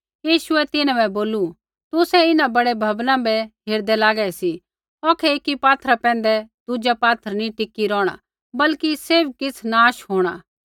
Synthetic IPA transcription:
jiːʃʊɛt̪ɪnãbɛboːlu | t̪ʊsɛɪnãbɐɽebʱɐbnãbɛɦeːɾd̪ɛlaːɡɛɛsi | ɔːkʰɛeːkːipaːt̪ʰəɾapɛ̃ːn̆d̪ɛd̪ʊd͡ʒapaːt̪ʰəɾnĩʈɪkiɾɔːɽ̃a̰ | bɐlkiseːbkɪt͡sʰnaːʃɦoːɽ̃aː

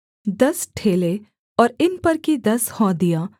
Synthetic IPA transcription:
d̪ɐsʈʰeːle | ɔːɾɪnpɐɾkid̪ɐshɔ̃d̪ijaː

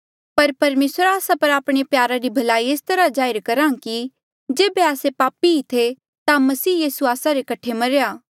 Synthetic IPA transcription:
pɐɾpɐɾmeːsɾaːsapɐɾaːpɽ̃epjaːɾaɾibʱɐlaːieːst̪ɐɾad͡ʒaːɪɾkɐɾãːki | d͡ʒeːbeaːsepaːpiit̪ʰe | t̪amɐsiːjiːsuaːsaɾekɐʈʰemɐɾejaː

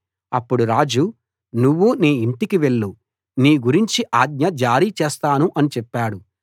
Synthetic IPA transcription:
ɐpːuɽuɾaːd͡ʒu | nuʋːuniːiɳʈikiʋe̞ɭːu | niːɡuɾiɲt͡ʃiʔaːɡ̚ɲɐd͡ʒaːɾit͡ʃeːst̪aːnuʔɐnit͡ʃɛpːaːɽu

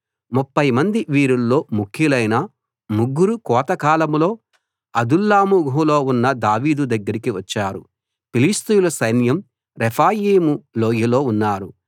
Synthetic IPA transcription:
mupːɐjmɐnd̪iʋiːɾulːo̞ːmukʰjilɐjnɐ | muɡːuɾukɔːt̪ɐkaːlɐmlo̞ː | ɐd̪ulːaːmuɡʱulo̞ːunːɐd̪aːʋiːd̪ud̪ɐɡːɐɾikiʋɐt͡ʃːaːɾu | pilist̪ujulɐsɐjnjɐm | ɾɛpʰaːjeːmuloːjilo̞ːunːaːɾu

